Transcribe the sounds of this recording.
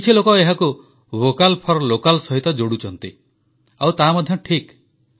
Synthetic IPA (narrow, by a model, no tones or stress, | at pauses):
it͡ʃʰilokɔeɦaku | bokalpʰɔɾlokalsɔɦit̪ɔd͡ʒoɽut͡ʃɔnt̪i | awt̪aɦmɔd̪ʱjɔʈʰik